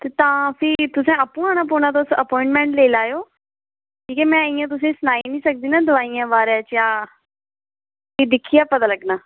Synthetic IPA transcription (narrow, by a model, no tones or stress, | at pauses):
t̪eːt̪ãːpʰɪɾt̪ʊsẽːəpːũːaːñaːpoːnaːt̪̬oːsəpɔːɪ̃ɳʈmɛ̃ːɳʈleːlaːjoː | ʈʰiːkɛːmɛ̃ːɪjãːt̪̬ʊs̬ẽːsʊnaːiːnĩːsək̚d̪iːnaːd̪ʊʋaːijãːbaːɾãːt͡ʃjãː | id̪ɪkʰːiːaːpət̪aːləɡnaː